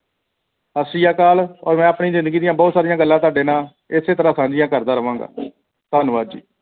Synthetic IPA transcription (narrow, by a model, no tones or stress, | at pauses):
əsɪjaːkaːlɔ̰ːɾmɛ̃ːəpɳiːzɪ̃nd̪əɡiːd̪ɪjãːbɔːt̪saːɾɪjãːɡəlːãːt̪oaːɖeːnaː | ɪseːt̪əɾaːsãːd͡ʒɪjãːkəɾd̪aːɾəʋãːɡa̰ː | t̪aːnʋaːd̪d͡ʒḭː